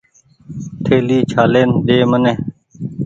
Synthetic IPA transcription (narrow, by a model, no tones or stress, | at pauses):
t̪ʰeːliːt͡ʃʰaːleːnɗeːməneː